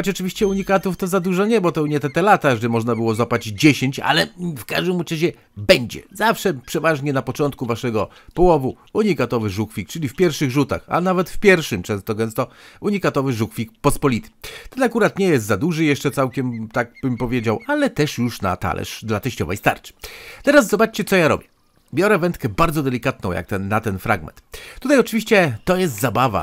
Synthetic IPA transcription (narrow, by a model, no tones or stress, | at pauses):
xɔt͡ɕɔt͡ʂɨvʲiɕt͡ɕɛuɲikat̪uft̪ɔzad̪uʐɔɲɛbɔt̪ɔuɲɛt̪ɛt̪ɛlat̪aʐɛɛmɔʐnabɘwɔzɔpad͡ʑd͡ʑeɕeɲt͡ɕa̰lɛfka̰ʐd̪ɘmut͡ʂaɕ̬ɛ | bɛɲd͡ʑɛ̰zafʂɛpʂɛvaʐɲɛnapɔt͡ʂɔnt̪kuvaʂɛɡɔpɔwɔvu | uɲikat̪ɔvɘʐukfʲik̚t͡ʂɘlʲifpʲjɛɾfʂɘɣʐut̪a̰xa̰navɛt̪fpʲjɛɾfʂɘmt͡ʂɛ̃ñst̪ɔɡɛ̃ñst̪ɔuɲikat̪ɔvɘʐukfʲik̚pɔspɔlʲit̪ɘ̥t̪ɛnakuɾat̪ɲɛjɛst̪zad̪uʐɘjɛʂt͡ʂɛt̪sawkʲɛmt̪aɡ̚b̥ɘmpɔvʲjed͡ʑawalɛt̪ɛʂjuʂna̰t̪a̰lʔɛ̰ʂd̪lat̪ɛɕt͡ɕɔvɛ̰jst̪a̰ɾt͡ʂɘ̥t̪ɛɾaszɔbat͡ʂt͡ɕɛt̪sɔjaɾɔ̰bʲjɛ | bʲjɔɾɛvɛnt̪̚kɛbaɾd̪zɔd̪ɛlʲikat̪̚nɔ̃w̃jʔa̰k̚t̪ɛnːat̪ɛnfɾa̰ɡmɛ̰nt̪ːut̪ajɔt͡ʂɘvʲiɕt͡ɕɛt̪ɔjɛst̪zabava̰